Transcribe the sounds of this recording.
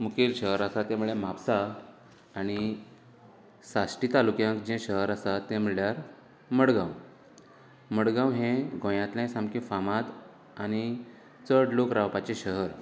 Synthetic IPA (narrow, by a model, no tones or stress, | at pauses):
mukilɕəɦəɾasat̪amuɭẽm̤apsaː | ñi | sasʈit̪alukjãŋkd͡ʑɛ̃ɕəɦəɾasat̪ːɛ̃m̤iɭjaɾ | məɽɡãw | məɽɡãwɦẽɡʱõjãt̪lɛ̃sãmkĩfamãt̪ | añi | t͡səɽlokɾawpat͡ɕeɕəɦəɾ